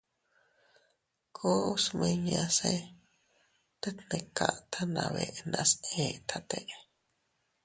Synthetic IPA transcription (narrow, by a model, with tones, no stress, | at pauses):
kʰo˦u˦smẽ˧ɲã˧se | t̪e˦t̪ne˧ka˨ʔt̪ʰanã˧βeʔnaset̪ʰat̪eʔ